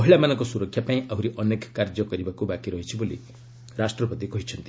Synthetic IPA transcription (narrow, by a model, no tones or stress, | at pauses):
ɔɦiɭamanɔ̃ŋkɔsuɾɔkʰːjapaĩʔaɦuɾiʔɔnekkaɾd͡ʒɔkɔɾibakubakiɾɔɦit͡ʃʰibolḭ | ɾasʈrɔpɔt̪ikɔɦit͡ʃʰʌnt̪i